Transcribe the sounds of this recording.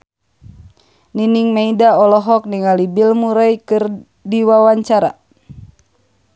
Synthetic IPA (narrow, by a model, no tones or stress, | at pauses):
niniŋmeidaɔlɔɦɔk̚niŋalibilmuɾajkɨr | diwawaɲt͡ʃaɾa̰